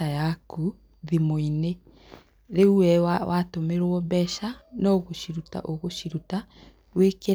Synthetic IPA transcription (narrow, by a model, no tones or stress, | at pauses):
ajaku | ðimoine | ɾeuwɛwatomeɾwɔbɛʃanɔoɣoʃiɾuta̰ʔoɣoʃiɾuta | weke